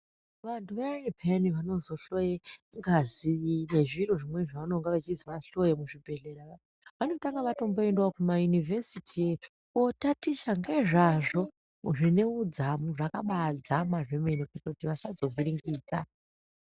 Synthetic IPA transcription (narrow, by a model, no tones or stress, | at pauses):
ʋantuʋeripʰaniʋano̞zo̞ɬojeŋɡazine̞ʐiro̞ʐimwe̞ʐaʋanoŋɡaʋat͡ʃiziʋaɬo̞jemuʐibʱe̞ɮe̞ɾaa | ʋano̞taŋɡaʋato̞mbo̞endwakumajunivʱesitʰie | otatiʃaŋɡe̞ʐaʐo̞ | muʐine̞ud͡zamuʐakaɓad͡zamaʐemenoketotiʋasazo̞viɾiŋɡiːd͡za